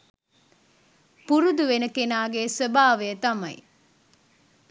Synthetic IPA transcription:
puɾud̪uʋenəkenaːɡeːsəbaːʋejət̪ɐmɐ̰j

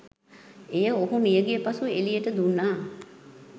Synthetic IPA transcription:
ejəoɦumijəɡijəpasuelijəʈəd̪unːaː

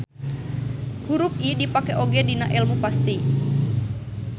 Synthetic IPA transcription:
huɾup̚idipakɛʔoɡɛdinaʔɛlmupast̪i

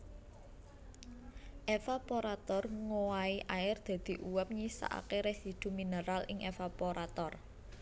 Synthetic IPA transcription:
ʔefapoɾat̪ɔrŋowaiʔaɪrd̪̥a̤d̪̥i̤ʔuwɛp̚ɲisa̰ʔa̰keɾesid̪̥ṳmineɾalɪŋʔefapoɾat̪ɔr

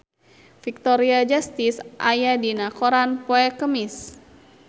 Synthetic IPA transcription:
fik̚t̪ɔɾiad͡ʒast̪isʔajadinakoɾanpoɛkəmis

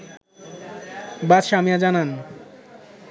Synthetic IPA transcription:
batʃamiad͡ʑanan

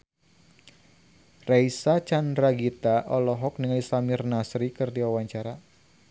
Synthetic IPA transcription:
raisat͡ʃandɾaɡit̪aʔɔlɔɦɔk̚niŋajsamɪrnasɾikɨrdiwawaɲt͡ʃaɾa

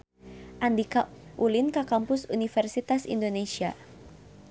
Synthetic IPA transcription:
ʔand̪ikaʔulinkakampʊsunifɛrsit̪asḭndonesia̰

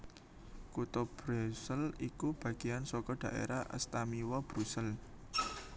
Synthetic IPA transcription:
kut̪ɔb̥ɾusəlikub̥ä̤ɡ̥ijansɔkɔɖ̥a̤ʔḛɾahʔə̰st̪amiwɔb̥ɾusɛl

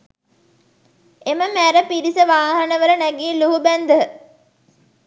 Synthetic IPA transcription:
eməmæɾəpiɾisəʋaːɦɐnəʋələnæɡiːluɦubænd̪əɦə

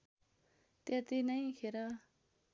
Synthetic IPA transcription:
t̪jat̪inʌj̃kʰeɾʌ

